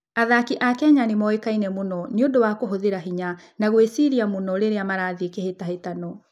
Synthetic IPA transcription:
aðakiʔakɛɲanemɔekainɛmonɔneondowakoɦoðeɾaɦiɲa | naɣwesiɾiamonɔɾeɾeamaɾaðikehetahetanɔ

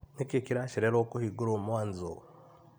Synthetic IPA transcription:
nekekiɾaʃiɾeɾoːkuhiɡuɾoːmwaːnzo

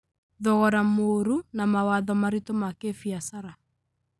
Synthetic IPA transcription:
ðɔɣɔɾamoɾunamawaðɔmaɾitomakefiasaɾa

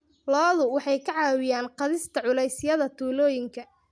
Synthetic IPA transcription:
lɔːðʊwɑħɑjkʰɐʕɑːwɪjaːnqɑðɪst̪ʰɐʕʊlɛjsɪjɐðɐt̪ʰuːlɔːjɪŋkʰɐ

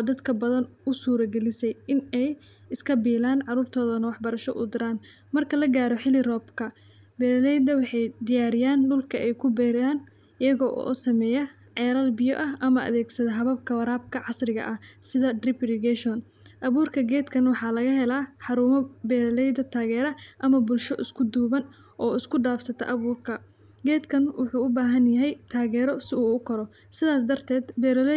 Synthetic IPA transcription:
ɔːd̪ɐd̪kʰɐbɐðɐnʊsuːɾɐɡɛlɪsɛjɪnɛj | ɪskʰɐbiːlaːnʕɑruːrt̪ʰɔːðɐnɐwɑħbɐɾɐʃɔʔʊ̰d̪ɪɾaːn | mɐrkʰɐlɐɡaːɾɔħɪlɪrɔːbkʰɐ | bɛːɾɐlɛjd̪ɐwɑħɑjd̪ɪjaːɾɪjaːnɖʊlkʰɐʔɛjkʰʊbɛːɾjaːn | ɪjɐɣɔːʔʔɔ̰sɐmɛːjɐ | ʕɛːlɐlbɪjɔʔɐʔɐmɐʔɐ̰ðɛːɡsɐðɐɦɐβɐb̚kʰɐwɐɾaːb̚kʰɐʕɑsrɪɣɐ̰ʔɐhsɪðɐdrɪbɾɪɡɛʃɔn | ʔɐβuːrkʰɐɡɛːd̪kʰɐnwɑħɑːlɐɣɐɦɛlaːħɑɾuːmɐbɛːɾɐlɛjðɐt̪ʰaːɣɛːɾɐʔɐmɐbʊlʃɔʔɪskʰʊd̪uːβɐn | ʔɔːɪskʰʊɖaːfsɐt̪ʰɐ̰ʔɐβuːrkʰɐ | ɡɛːd̪kʰɐnwʊħuːʊbaːɦɐnjɐɦɛjt̪ʰaːɣɛːɾɔsɪuːkʰɔɾɔ | sɪðaːsd̪ɐrt̪ʰɛːd̪bɛːɾl

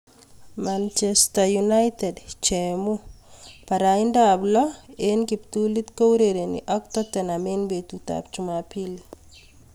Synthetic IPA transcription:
mant͡ʃɛstajunajt̪ɛdt͡ʃɛmupaɾaindablɔenkipt̪ulit̪kowɾeɾenḭʔɔk̚t̪ɔt̪ɛnamenbet̪ut̪a̰p̚t͡ʃumapili

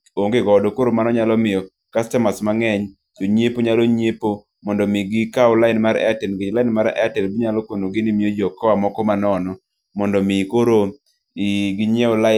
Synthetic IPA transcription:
oŋɡeɡɔdokoɾomanɔɲalɔmɪjɔ | kastɛmasmaŋɛɲ | toɲepoɲaloɲepo | mɔndɔmɪɡɪkaʊlaɪnmaɾɛ̰atɛnɡɪlaɪnmaɾɛ̰atɛlbiɲalɔkonoɡɪnɪmiod͡ʒɔkɔamɔkɔmanɔnɔ | mɔndɔmɪkoɾo | iɡiɲeola

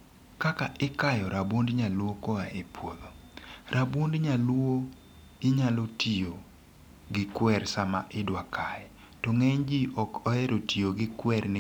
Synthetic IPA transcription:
kakaʔɪkajɔɾabwondɲalwokɔaepʰwod̪oɾʔabwondɲalo | ɪɲalotʰio | ɡɪkwɛɾsama̰ʔɪdwakʰajɛ | tɔŋɛɲd͡ʒiʔɔkɔɛɾotioɡɪkwɛrnɪ

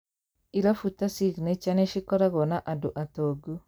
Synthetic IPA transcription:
iɾafutasiɣnet͡ʃaneʃikɔɾaɣɔnaʔadoʔatɔɡu

